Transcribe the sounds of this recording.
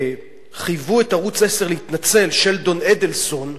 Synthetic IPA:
χijvuetaʁut͡sese̞ʁleit̪nat͡se̞lʃe̞ldo̞ned̪elso̞n

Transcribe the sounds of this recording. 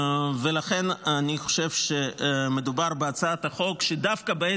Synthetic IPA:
velaχe̞naniχo̞̥ʃe̞vʃeme̞d̪ubaʁbeat͡saat̪haχo̞kʃed̪afkabee

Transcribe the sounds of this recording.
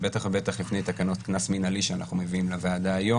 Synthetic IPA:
bet̪aχbe̞t̪aχlifnejt̪akano̞t̪knasminaliʃeana̰χnumeviimlaveːd̪aːjo̞

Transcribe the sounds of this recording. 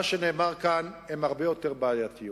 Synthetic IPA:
aʃene̞ːmaʁkanemhaʁbejo̞t̪eʁbaːjat̪i

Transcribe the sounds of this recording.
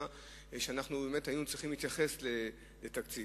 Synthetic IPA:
ʃeanaχnube̞ːme̞thajinut͡sʁiχimlit̪jaχe̞sle | letakt͡si

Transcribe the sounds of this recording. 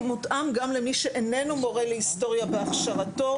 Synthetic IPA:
mutʔamɡamlemiʃeʔenenumo̞ʁelehisto̞ʁjabeaχʃaʁato̞

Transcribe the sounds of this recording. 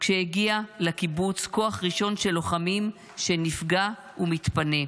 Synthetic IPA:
kʃeheɡialekibut͡sko̞aχʁiʃo̞nʃe̞loχamim | ʃe̞nifɡa | umitpane̞

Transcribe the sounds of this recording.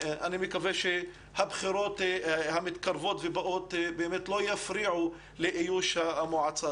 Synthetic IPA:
ʔanimikaveʃe | habχiɾot̪hamɪt̪kaɾvot̪vebaʔot̪beʔemet̪lojafɾiʕu | leʔijuʃamoʕat͡sa

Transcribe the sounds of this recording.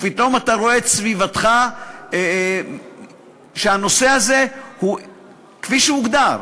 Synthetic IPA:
pit̪o̞mataʁo̞et̪svivat̪χa | ʃeano̞se̞aze̞hu | kfiʃeuɡd̪aʁ

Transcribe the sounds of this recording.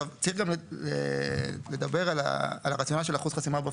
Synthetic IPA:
avt͡saiχɡamḛle̞d̪abe̞ʁala̰ːlaʁat͡sjo̞naʃ̬e̞laχuz̥χasimaba

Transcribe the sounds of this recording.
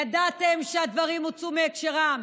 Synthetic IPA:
ad̪at̪emʃead̪vaʁimot͡sumeːkʃeʁam

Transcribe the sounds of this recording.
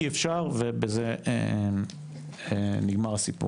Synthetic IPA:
iefʃaʁvebezeḛ | eniɡmaʁasipṵ

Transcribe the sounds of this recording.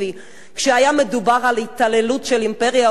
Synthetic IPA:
i | kʃeajame̞d̪ubaʁalit̪alelutʃelimpeʁja

